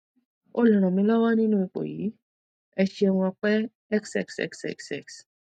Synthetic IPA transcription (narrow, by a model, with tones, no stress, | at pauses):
o˦lɔ̃˨ɾ̃ɔ̃˨mĩ˧˦la˦wa˦nĩ˦nũ˦˧k͡po̰˨ji˨˦ | ɛ˧ʃi˦ɛ˧wũ˧a˧k͡pɛ˦ | ɛ˦ksɛ̰˦ksɛ̰˦ksɛ̰˦ksɛ̰˦˨ks